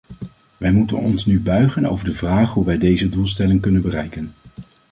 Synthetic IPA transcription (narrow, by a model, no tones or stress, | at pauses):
ʋɛjmutə̰nɔ̰nsnybœɥχəno̰wvəɹdəvraːχɦuʋɛjdejzədulˠs̬tɛlɪŋkɵnənbərɛjkən